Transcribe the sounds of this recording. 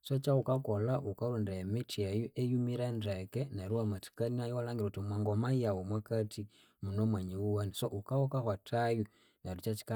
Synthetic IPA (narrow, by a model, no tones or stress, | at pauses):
sat͡ʃaukakɔlaʔukaɾundemitiajuʔejumiɾandekɛnaɾuwamati̥kaninajɔwalaŋɡiɾautimwaŋɡɔmaijawumwakati | munomwaɲiwuwanisoʔukawɔkahwatʰaju | naɾut͡ʃat͡ʃi̥ka